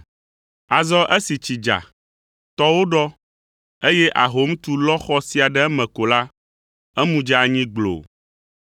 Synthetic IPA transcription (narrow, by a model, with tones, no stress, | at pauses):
a˨zɔ˦ʔe˦si˨t͡ɕi˨d͡ʒa̰˨ | t̪ɔ˦wo˦ɖɔ˦ | e˦je˦ʔa˨ɦo˨˦m˦t̪u˦lɔ˦xɔ˦si˦a˨ɖɛ˦ɛ˦mɛ̃˨ko˨la˦ | ɛ˦mũ˦d͡ʒɛ˦a˨ɲĩ˦ɡ͡blo̰˨